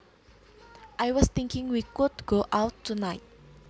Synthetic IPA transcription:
ʔajwɔst̪ɪŋkɪ̃ŋwikʊdɡ̥oʔawtʰːunajt̚

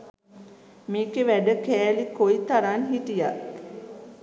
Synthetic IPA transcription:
miːkeʋæɖəkæːlikoit̪aɾaːnɦitijat

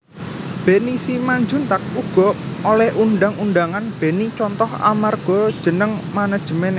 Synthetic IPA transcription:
b̥enisimaɲd͡ʒunt̪ak̚uɡ̥ɔ̤olɛhʔunɖaŋunɖaŋanb̥e̤nit͡ʃɔnt̪ɔha̰marɡ̥ɔ̤d̥ʒ̥ə̤nəŋmanəd̥ʒ̥ə̤mene

